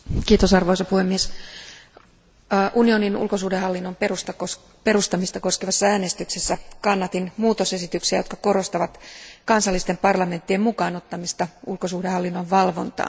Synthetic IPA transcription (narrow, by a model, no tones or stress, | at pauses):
kiːt̪osɑrʋo̞isɑpuhemːies | ʔunio̞ninṵlkosuːdehɑlːinːomperust̪ɑkos | pe̞rust̪ɑmist̪ɑko̞skeʋɑsːɑæːne̞st̪yksesːækɑnːɑt̪inmuːt̪ose̞sit̪yksiæ̰jot̪kɑko̞ɾo̞st̪ɑʋɑt̪kɑnsɑlːist̪e̞mpɑrlɑme̞nt̪ːiemukɑːnot̪ːɑmist̪ɑulkosuːdehɑlːinːoʋʋɑlʋo̞̰nt̪ɑ̰ːn